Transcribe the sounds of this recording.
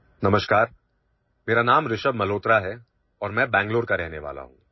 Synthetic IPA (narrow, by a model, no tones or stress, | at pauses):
nɐməʃkaːɾ | meːɾanaːmɾɪʃəbmɐloːt̪ɾaɦɛ | ɔːɾmɛ̃bɛ̃ːŋɡloːɾkaɾɛɦneʋa̰ːla̰ɦṵ̃ː